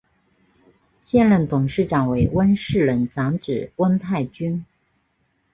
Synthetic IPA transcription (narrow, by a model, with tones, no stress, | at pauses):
ɕjɛ˥˧nlə˥˩nt̪ʊ˨˩ŋʂɻ̩˥˩ʈ͡ʂɑ˨˩ŋwe˧˥ɪwə˥nʂɻ̩˥˩lə˧˥nʈ͡ʂɑ˧˥ŋʈ͡ʂɻ̩˨˩wə˥nt̪ʰa˥˩ɪt͡ɕy˥n